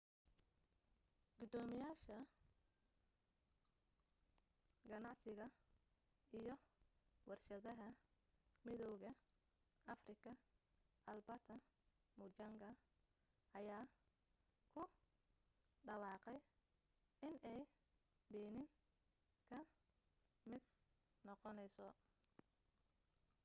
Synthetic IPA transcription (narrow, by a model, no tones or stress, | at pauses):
ɡ̥ʊd̪ɔːmɪjaːʃɐ | ɡɐnɑʕsɪɣɐ | ʔijɞwɑrʃɐðɐɦɐ | mɪðɔwɣɐ | ʔɐfrɪkʰɐ | ʔɐlbɐt̪ʰɐ | mʊt͡ʃɐŋɡɐ | ʔɐjaː | kʰʊ | ɖɐwɑːqɛj | ʔɪnɛj | bɛːnɪŋ | kʰɐ | mɪd̪̚ | nɔqɔnɛjsɔ